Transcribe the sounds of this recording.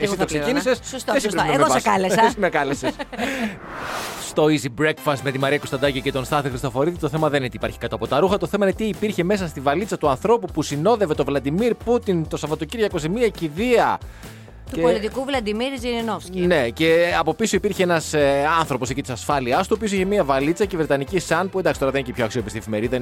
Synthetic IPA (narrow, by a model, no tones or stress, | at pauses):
esit̪oksekinisessesispɾemeoɐlesesimekɐleses | st̪o̞izibɾe̞kfɐst̪me̞t̪imɐɾiɐkost̪ɐd̪ɐcicet̪onst̪ɐθixɾist̪ofo̞ɾiðiit̪o̞θe̞mɐðeninet̪iːpɐɾçi̥kɐt̪ɐpo̞t̪ɐɾuxɐt̪o̞θe̞mɐinet̪iːpiɾçe̞me̞s̬ɐst̪ivɐlit͡sɐt̪uɐnθɾo̞pupusino̞ðe̞vet̪ovlɐd̪imiɾput̪int̪o̞sɐvɐt̪o̞ciɾʝɐkozemiɐciðiɐ | t̪ueolit̪ikuvlɐd̪imiɾzininofsine̞ce̞ɐpo̞pisoipiɾçeenɐsɐnθɾo̞po̞secit̪isɐsfɐliɐst̪uopiosoiçemiɐvɐlit͡sɐcevɾet̪ɐnicisɐnpuend̪ɐksit̪oɾɐðenecepçoɐksio̞pist̪iefime̞ɾiðɐ